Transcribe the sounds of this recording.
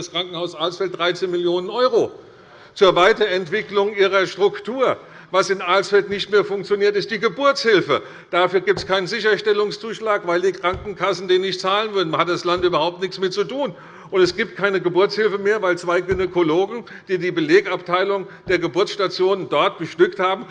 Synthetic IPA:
askʁ̥aŋkŋ̩haʊsʔaːlsfɛltdʁaɪt͡seːnmɪljoːnənʔɔʏʁo | t͡suːɐvaɪtɐɛntv̥ɪklʊŋʔiːʁ̞ɐʃtʁ̥ʊktʰuːɐ | vasɪnʔaːlsfɛltnɪçtmeːɐfʊŋkt͡sjoniːɐtɪst̚d̥iːɡəbʊɐt͡shɪlfə | d̥afyːɐɡiːp̚tskʰaɪnənzɪçɐʃtɛlʊŋst͡suːʃlaːkvaɪldiːkʁ̥aŋkŋ̩kʰasn̩deːnːɪçtt͡saːlənvʏɐdn̩nhat̚d̥aslantʔyːbɐhaʊp̚tnɪçt͡smɪɐt͡sutuːn | ʔʊntɛsɡ̥iːp̚t̚kʰaɪnəɡəbʊɐt͡shɪlfəmeːɐvaɪlt͡sv̥aɪɡynəkʰoloːɡŋ̩ | d̥iːdiːbəleːɡəaptʰaɪlʊŋ | d̥eːɐɡəbʊɐt͡sʃtat͡sjoːnəndɔɐt̚b̥əʃtʏkthaːbm̩

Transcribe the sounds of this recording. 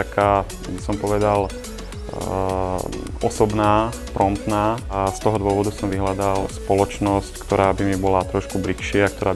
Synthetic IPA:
t̪akaː | bisɔmpɔʋɛd̪al | ɔsɔbnaːpɾɔmt̪naːst̪ɔɦɔd̪ʋʊɔʋɔd̪usɔmʋiɦlad̪alspɔlɔt͡ʃnɔsckt̪ɔɾaːbimibɔlat̪ɾɔʃkubliʃɪaak̚t̪ɔɾaː

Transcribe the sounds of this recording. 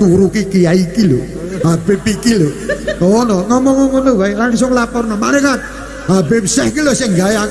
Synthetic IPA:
t̪uɾukikijaikilo | ɦab̥epikiloɔnɔŋɔmɔŋɔŋɔnɔwaelansʊŋlapɔrnɔmanɛkan | ɦabepsɛhkilosɪŋɡaja

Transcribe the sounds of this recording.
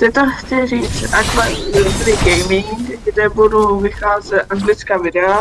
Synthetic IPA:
t̪ɛt̪oxt͡sɪriːt͡sʔakvaɛfɾɪɡɛjmɪŋɡdɛbuduvɪxaːzɛt̪ʔaŋɡlɪt͡skaːvɪdɛa

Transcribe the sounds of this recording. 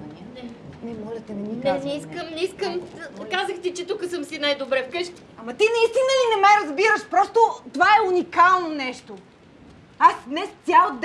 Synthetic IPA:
nɛnɛmɔlʲɐt̪ɛnɛniɛnɛiskəmnɛiskəmkazəxt̪it͡ʃɛt̪ukəsɤmsinajd̪obɾɛfkɤʃki̥ɐmɐt̪inɐist̪inəlinɐmɛɾəzbiɾəʃpɾɔst̪ot̪ovaɛunʲikalˠnonɛʃt̪o | asd̪nɛst̪ʲalˠod̪

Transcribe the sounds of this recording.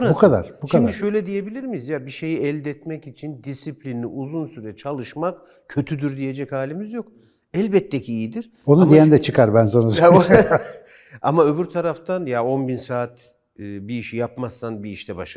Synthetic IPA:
ɾabukad̪aɾ̥buʃkaid̪md̪iʃø̞jlʲɛd̪ije̞bilʲiɾmizjabiʃe̞jiʔɛlʲd̪ɛt̪mɛcit͡ʃʰind̪isiplʲinːiʔuzunsyɾɛt͡ʃʰalˠɯʃmak | cʰø̞t̪ʰyd̪yɾd̪ije̞d͡ʒɛchaːlʲimizjo̞k | ɛlʲbɛt̪ʰːɛcʰiːjid̪iɾ̥ | o̞nud̪iijɛnd̪ɛt͡ʃʰɯkʰaɾbænsonasa | a̰maøbyɾt̪ʰaɾaft̪ʰanjao̞nbinsaːt̪ː | biiʃijap̚mast̪anbiiʃt̪ʰɛbaʃ

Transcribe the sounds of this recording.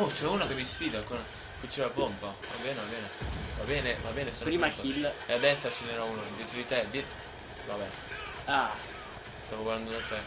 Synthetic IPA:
ot͡ʃːɛuːnakemːiskiːt̪akːona | fut͡ʃːɛɾapompavabɛːnevabɛːnevabɛːnevabɛːnesopɾiːmakilead̪ɛst̪ɾat͡ʃːeneɾauːnoid̪et̪ːɾoit̪aɛd̪ːjet̪ːo | vabɛ | a | st̪avoɡwaɾd̪and̪od̪at̪ːɛ

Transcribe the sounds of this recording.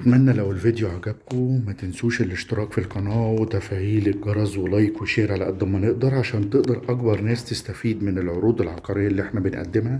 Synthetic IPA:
t̪mænːælæwelved̪juʕaɡæbkomæt̪ensuːʃeleʃt̪eɾɑːkfilqɑnɑːwet̪æfæʕiːleɡɑɾˤɑzwelɑjkweʃeːɾʕalæʔæd̪ˤːɑmːɑneʔd̪ɑɾˤʕaʃæːnt̪eʔd̪ɑɾˤʔɑkbɑɾˤnæːst̪est̪æfiːd̪menelʕoɾuːd̪elʕɑqɑɾejːælːiːʔeħnæbenʔæ̰d̪ːemhæ

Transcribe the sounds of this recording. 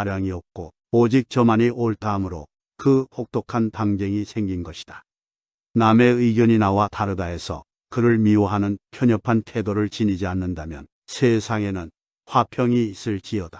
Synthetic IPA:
aɾjaŋiʌp̚k͈o | od͡ʑik̚t͡ɕʌmaɲioɭtʰamɯɾo | kɯhok̚t͈okʰantaŋd͡ʑe̞ŋisʰe̞ŋɡinɡʌɕʰi̥d̥ḁ | nameɯiɡjʌɲinawataɾɯdae̞sʰʌ | kɯɾɯɭmiwoɦanɯnpʰjʌɲʌpʰantʰe̞doɾɯɭt͡ɕiɲid͡ʑianːɯndamjʌ̰n | sʰesʰaŋe̞nɯn | ɸwapʰjʌŋiːs͈ɯɭt͡ɕ͈iʌd̥a

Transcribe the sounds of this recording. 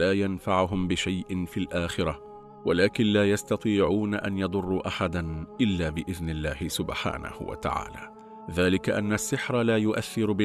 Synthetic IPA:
laːjanfaʕʊɦʊmbɪʃajʔɪnfiːlʔaːxɪɾa | walaːkɪnlaːjɑst̪ɑt̪ˤiːʕuːnaʔa̰njɑd̪ˤʊrˤːuʔaħad̪anʔɪlːaːbɪʔɪðnɪlːaːhɪsʊbħa̰ːna̰hʊ̰wa̰t̪a̰ʕa̰ːla̰ː | ðaːlɪkaʔanːasːɪħɾˤɑlaːjʊʔaθːɑɾbɪ

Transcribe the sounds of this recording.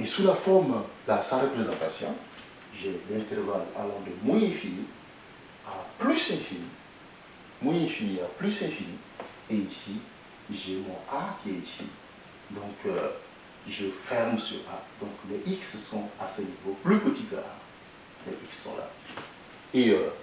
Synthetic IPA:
esulafɔʁmlasɑ̃ʁəpɾezɑ̃t̪asjɔ̰̃ | ʒelɛ̃t̪ɛʁvala̰lɔʁd̪əmwajɛ̃fini | aplysɛ̃fini | mwajɛ̃finiaplysɛ̃fini | eisi | ʒemɔ̃akʲiɛisḭ | d̪ɔ̃kʰə | ʒəfɛʁmsə̰ʔad̪ɔ̃klɛʔikssɔ̃asənivoplypət̪ikə̰a̰ | lḛʔikssɔ̰̃la̰ | eə

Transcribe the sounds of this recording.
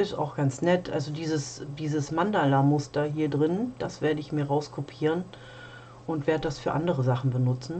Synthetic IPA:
ɪsa̰ʊxɡ̥ant͡snɛtʔa̰lzodiːzəsd̥iːzəsmandalamʊstɐɦiːɐdʁɪnd̥asv̥eːɐdəɪçmiːɐʁaʊskʰopʰiːʁən | ʔʊntv̥eːɐdədasfyːɐʔandəʁəzaχn̩bənʊt͡sn̩

